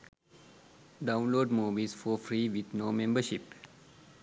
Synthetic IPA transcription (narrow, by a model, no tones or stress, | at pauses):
ɖãʊ̃nloːɖmuːʋizfɔːfɾiːʋid̪noːmẽmbəʃip